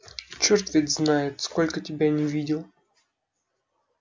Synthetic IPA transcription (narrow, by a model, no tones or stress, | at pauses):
t͡ɕort̪vʲɪt̪ʲznajɪt̪sko̞lʲkətʲɪbʲanʲɪvʲidʲɪlˠ